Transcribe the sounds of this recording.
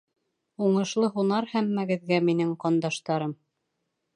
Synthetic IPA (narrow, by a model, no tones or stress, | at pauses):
uɴɤ̆ʃlˠɤɦunɑɾhæmːæɡɘ̆ðɡæminɘŋqɑnd̪ɑʃt̪ɑɾɤm